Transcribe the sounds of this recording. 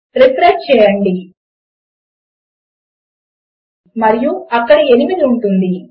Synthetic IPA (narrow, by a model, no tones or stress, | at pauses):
ɾipɾɐt͡ʃt͡ʃɛːjɐɳɖi | mɐɾijuɐkːɐɽie̞nimid̪iuɳʈund̪i